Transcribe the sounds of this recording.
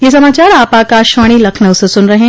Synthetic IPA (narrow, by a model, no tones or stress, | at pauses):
jes̬ɐmaːt͡ʃaːɾaːpaːkaːʃʋaːɽ̃ilɐkʰnəʊsesʊnɾɐɦẽː